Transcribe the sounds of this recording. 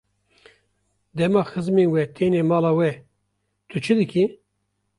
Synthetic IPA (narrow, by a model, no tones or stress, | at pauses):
d̪ɛmɑːxɨzmeːnwɛt̪ʰeːneːmɑːlɑːwɛ | t̪ʰɨt͡ʃʰɨd̪ɨkʰi